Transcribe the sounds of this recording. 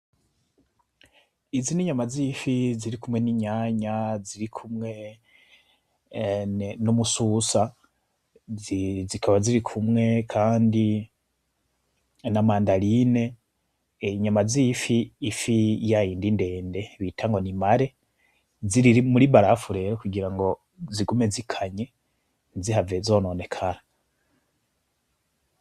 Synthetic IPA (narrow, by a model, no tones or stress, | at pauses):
iziniɲamazifiziɾikumwe̞niɲaɲaziɾikʰumŋe̞ | nomususa | zikʰaβaziɾikʰumŋe̞kʰaːndi | namaːndaline̞ | ɲamazifiːfijajiːndinde̞ːnde̞βiːtʰaŋɡo̞nimaɾe̞ | ziɾiɾimuɾiβaɾafuɾe̞ɾokuɡiɾaŋɡo̞ | ziɡumezikʰaɲe̞ | ziɦavezo̞ːnone̞kʰaɾa